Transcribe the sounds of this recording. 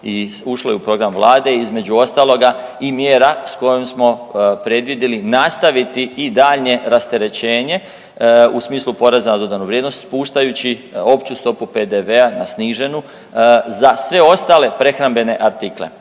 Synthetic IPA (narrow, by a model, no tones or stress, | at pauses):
iuʃlojeupɾo̞ɡɾamʋlˠaːd̪e̞izme̞d͡ʑuo̞st̪aːlˠo̞ɡaimjeːɾasko̞jomsmo̞pɾe̞d̪ʋid̪ilinast̪aʋit̪iid̪aːʎɲe̞ɾast̪e̞ɾe̞t͡ɕe̞ːɲe̞ | usmiːslupo̞ɾe̞zanad̪o̞d̪anuʋɾjed̪no̞st̪puːʃt̪ajut͡ɕio̞pt͡ɕust̪o̞pupe̞d̪eʋe̞anasniːʒe̞nu | zasʋe̞o̞st̪ale̞pɾe̞xɾambe̞ne̞ʔaɾt̪ikle̞̰